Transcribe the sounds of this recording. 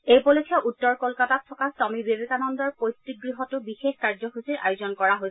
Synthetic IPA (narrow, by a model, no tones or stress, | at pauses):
ejpɔlɔkʰɛʔutːɔɹkɔlkatatʰːɔkasɔmibebekanɔndɔɹpojtik̚ɡɹiɦɔtʊbixexkaɹzɔxusiɹʔa̰jʊzɔnkɔɹaɦojs